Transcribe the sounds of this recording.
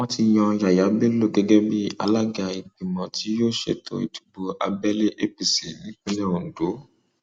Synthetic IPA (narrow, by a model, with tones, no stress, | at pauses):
wɔ̃˧ti˧jɔ̃˧ja˨ja˨˦be˦lo˦˨ɡɛ˨ɡɛ˦bi˦a̰˧la˦ɡa˨i˨k͡pi˨mɔ̃˨ti˨˦jo˦ʃḛ˦˨tʰo̰˨ḭ˨tu̥˨bo˧ʔa̰˧bɛ˦le˦ʔe˦pi˨si˨nĩ˨˦k͡pe˦lɛ˦o˨n̩˨do˨˦